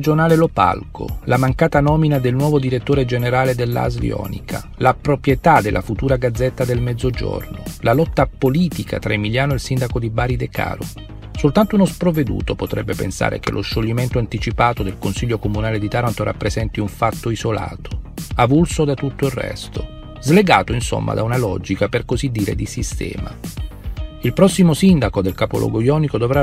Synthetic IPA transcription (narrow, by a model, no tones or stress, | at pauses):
d͡ʒonaːlelopa̰lko̰lamaŋkaːt̪anɔːminad̪elnwɔːvod̪iɾet̪ːoːɾed͡ʒeneɾaːled̪elːa̰zvḭɔ̰ːnḭkʰa̰ | lapɾopɾjet̪ad̪elːʔafut̪uːɾaɡad̪zːɛt̪ːad̪elmɛd̪zːod͡ʒo̰rnolalɔt̪ːapoliːt̪ikʰa̰t̪ɾaemiljaːnoilsind̪akod̪ibaːɾid̪eka̰ːɾo̰ | solt̪ant̪ounospɾoved̪ṵːt̪opot̪ɾɛbːepḛnsa̰ːɾḛkḛlʔoʃːoʎːiment̪oant̪it͡ʃipaːt̪od̪elkonsiʎːokomunaːled̪it̪aɾant̪oɾa̰pːɾezɛnt̪iuɱfat̪ːoizola̰ːt̪ʰo̥avulsod̪at̪ut̪ːoirrːɛ̰st̪o | zleɡaːt̪oinso̰mːa̰d̪aunalɔd͡ʒikaperkozid̪ːiːɾḛd̪isist̪ɛ̰ːma̰ | ilpɾɔsːimosind̪akod̪elkaːpo̰lɔ̰ɡojɔːnikod̪ovɾa